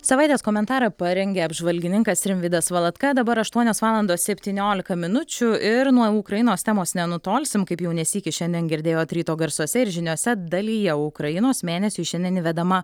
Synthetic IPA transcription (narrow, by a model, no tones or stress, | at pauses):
sɐʋɐɪt̪ʲeːskoːmʲɛnt̪ɑːɾɐpɐɾʲɛŋʲɡʲeːɐbʒʋɐlʲɡʲɪnʲɪŋkɐst̪ɾʲɪmʲʋʲiːd̪ɐsʋɐlˠɐt̪kɐd̪ɐbɐɾɐʃt̪uɔnʲoːsʋɑːlˠɐnd̪oːssʲɛpʲt̪ʲiːnʲoːlʲɪkɐmʲɪnʊt͡ʃʲʊɪɾnuɔʊkɾɐjɪnoːst̪ʲɛmoːsnʲɛnʊt̪oːlʲsʲɪmkɐɪpjɛʊnʲɛsʲiːkʲɪʃʲɛnʲd̪ʲiɛnɡʲɪɾʲd̪ʲeːjoːt̪ʲɾʲiːt̪oːɡɐɾsuɔsʲɛɪɾʒʲɪnʲuɔsʲɛd̪ɐlʲijɛʊkɾɐjɪnoːsmʲeːnʲɛsʲuːʃʲɛnʲd̪ʲɛnʲɪʋʲɛd̪ɐmɐ